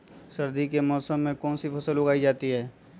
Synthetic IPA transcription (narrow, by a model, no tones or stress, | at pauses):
sɐɾd̪ikemɔːsəmːẽkɔːnsipʰɐsəlːʊɡaːid͡ʒaːt̪iɦɛː